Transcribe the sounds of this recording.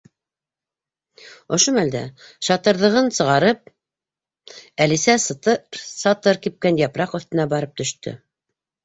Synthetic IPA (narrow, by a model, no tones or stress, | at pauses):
ŏʃomæld̪æ̰ʃɑt̪ɤ̆ɾðɤ̆ʁɤnsɤ̆ʁɑɾɤp̚ | ælisæst̪ɤsɑt̪ɤɾkip̚kænjɑpɾɑqɵ̆θt̪ɘ̆næbɑɾɤp̚t̪ɵ̆ʃt̪ɵ̰